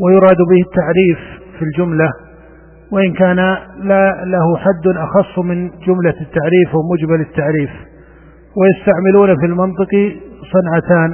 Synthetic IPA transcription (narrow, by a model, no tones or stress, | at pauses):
wajʊɾˤɑːd̪bɪhɪt̪ːaʕɾiːf | fild͡ʒʊmla | wɪʔɪnkaːnalalahʊħad̪ːnʔɑxɑsˤːmɪnd͡ʒʊmlat̪ːaʕɾiːfwamʊd͡ʒmalɪt̪ːaʕɾiːf | wɪjast̪aʕmɪluːnafilmɪnt̪ˤɨqisˤɑnʕat̪aːn